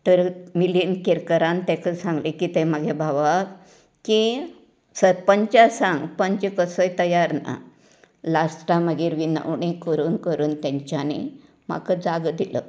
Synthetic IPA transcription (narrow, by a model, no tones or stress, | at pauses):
t̪əɾmilijənkiɾkəɾãnt̪ɛkəsãŋɡlikiːt̪ɛməɡʱebʱaʋak | ki | səɾpəɲt͡ɕasãŋɡpəɲt͡ɕekəsəjt̪əjaɾna̰ | lasʈaməɡiːɾʋinə̰ʋɳ̃ikəɾuːnkəɾuːnt̪jãɲt͡ɕjanḭ | ma̰kəd͡zaɡd̪ilə̰